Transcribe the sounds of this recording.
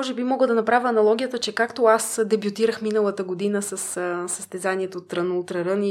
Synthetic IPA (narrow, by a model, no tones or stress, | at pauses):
ɔʒɛbimɔɡəd̪ɐnɐpɾavʲəɐnɐlˠɔɡʲijət̪ət͡ʃɛkakt̪oasd̪ɛbjʊt̪iɾəxminəlˠət̪əɡod̪inəsɐssɐst̪ɛzaniɛt̪ot̪ːɾənouʊt̪ɾəɾɤni